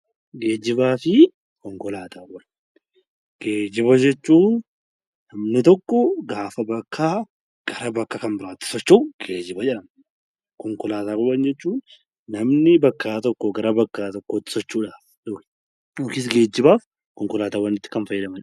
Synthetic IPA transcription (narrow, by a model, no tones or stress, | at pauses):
ɡeːd͡ʒːɪbaːfɪ | kɔŋkɔlaːt̪ʰaːwɐn | ɡ̥eːd͡ʒɪbɐd͡ʒɛt͡ʃːuː | nɐmnɪt̪ɔkːɔɡaːfɐbɐkʰːaː | ɡ̥ɐɾɐbɐkːaːkɐmbɪɾaːt̪ːɪ̥sɔt͡ʃːoɡ̥e̞ːd͡ʒɪbɐd͡ʒɛlɐn | kɔŋkɔlaːt̪aːkʊbɐnd͡ʒɛt͡ʃːuːn | nɐmnɪbɐkːaːt̪ɔkːɔɡɐɾɐbɐkːaːt̪ɔkːoːt̪ːɪ̥sɔt͡ʃːuːᶑaːf | dɔk | okɪs̬ɡe̞ːd͡ʒːɪbaːf | kɔŋkɔlaːt̪aːwːɐnɪt̪ːɪ̥kɐnfɐjːɪd̪ɐmɐn